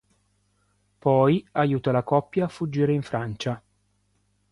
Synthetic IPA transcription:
pɔjajuːt̪alakɔpːjaːfːud͡ʒːiːɾeiɱfɾant͡ʃa

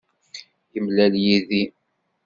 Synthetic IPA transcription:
jəmlæljiði

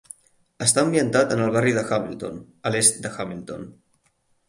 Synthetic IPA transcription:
əst̪aəmbiənt̪at̪ənəlˠβariðəxamḭlˠt̪o̰n | əlest̪̚d̪əxamilˠt̪o̰n

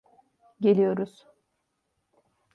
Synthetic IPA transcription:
ɟe̞lʲijo̞ɾuz̥

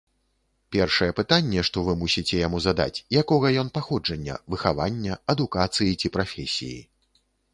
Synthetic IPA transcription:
pʲɛrʂɐjɛpɨt̪anʲːɛʂt̪ɔvɨmusʲit͡sʲɛjamuzad̪a̰t͡sʲjakɔɣɐjɔnpaxɔd͡ʐɐnʲːɐ̰vɨxavanʲːɐɐd̪ukat̪sɨjit͡sʲipɾafʲɛsʲḭjḭ

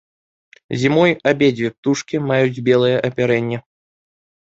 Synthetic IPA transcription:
zʲimɔjabʲed͡zʲvʲɛp̚t̪uʂkʲimajud͡zʲbʲɛlˠɨjɛʔɐpʲaɾɛnʲːɛ

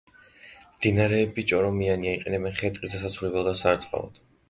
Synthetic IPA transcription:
md̪inaɾɛːbit͡ʃʼɔɾɔmianiaiqʼɛnɛbɛnχɛt̪ʼqʼid̪as̬at̪sʰvuɾɛbɛlˠd̪asaɾt̪sʼqʼa̰lˠɔ̰d̪̥

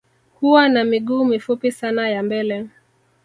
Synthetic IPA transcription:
huwanamiɠuːmifupisanajambɛlɛ

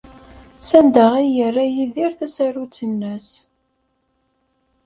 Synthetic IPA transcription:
sænd̪əʁijərːæjiðiɾθæsæɾut͡sːənːæs

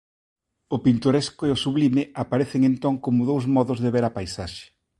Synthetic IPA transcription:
ʊpint̪oɾeskʊeosuβlimɪʔapaɾeθeŋent̪oŋkomʊðowzmɔðʊzðeβeɾɐpajsaʃe̥

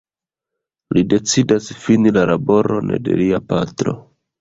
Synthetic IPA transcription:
lide̞t͡sidasfinilalabo̞ɾʔonḛde̞̰liapatɾo̞̰

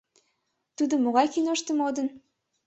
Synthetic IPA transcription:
t̪ud̪omːoɣɑjkinoʃt̪ə̆mod̪ən

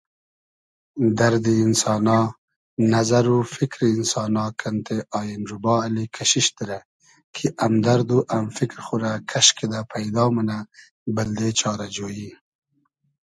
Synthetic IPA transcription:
d̪aɾd̪iːnsɑːnɑː | nazaɾufikɾiːnsɑːnɑːkʰant̪ʰeʔɑːjinɾubɑːalikʰaʃiʃt̪əɾa | kʰiʔamd̪aɾd̪uʔamfikɾxuɾakʰaʃkʰed̪apʰajd̪ɑːməna | bəld̪et͡ʃɑːɾad͡ʒoːji

